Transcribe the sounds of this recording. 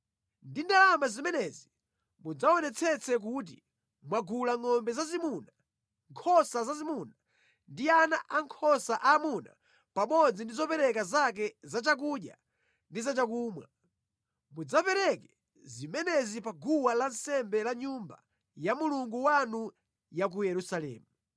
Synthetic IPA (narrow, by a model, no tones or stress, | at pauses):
ndindalamazimɛnɛzi | mud͡zaɔnɛt͡sʰɛt͡sʰɛk̬ut̬i | mwaɡulaŋɔmbɛzazimuna | ŋkʰɔsazazimuna | ndianaʔaŋkʰɔsaʔaːmuna̰ | pamɔd͡zindizɔpɛɾɛkazak̬ɛzat͡ʃak̬uɗja̰ | ndizat͡ʃakuːmwa | mud͡zapɛɾɛkɛ | zimɛnɛzipaɡuwalan̩sɛmbɛlaɲumba̰ | jamuluŋɡuwanu | jak̬ujɛɾusalɛ̰ːmu